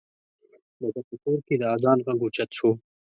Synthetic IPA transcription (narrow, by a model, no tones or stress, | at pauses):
d̪əbapəkoːɾked̪əazɑnɣaŋɡut͡ʃat̪ʃo